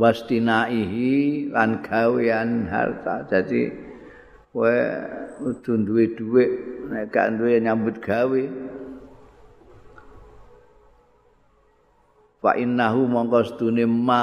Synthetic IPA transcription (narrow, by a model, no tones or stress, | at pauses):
wast̪inaʔiɦilanɡ̥aweanɦa̰lt̪a̰d̪̥ad̪ḭ | wɛ | ud̪̥ṳnd̪uwed̪̥uweʔnɛʔka̰ʔnd̪ueɲambʊt̪̚ɡ̥awe | fa̰ʔinːaɦumɔŋkɔsət̪unema